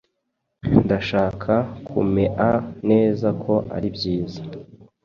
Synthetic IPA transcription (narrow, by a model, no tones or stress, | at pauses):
ndaʃaːkʰakʰṵmeʔane̞ːzakʰo̞ʔa̰ɾibjiːzḁ